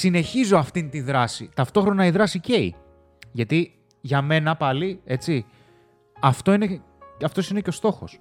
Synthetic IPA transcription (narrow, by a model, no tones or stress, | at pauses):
sine̞çizoɐft̪int̪iðɾɐsḭt̪ɐft̪o̞xɾo̞nɐiðɾɐsice̞i | ʝɐt̪i | ʝɐme̞nɐpɐlie̞t͡si | ɐft̪o̞ine | ɐft̪o̞sine̞ceo̞st̪o̞xo̞̰s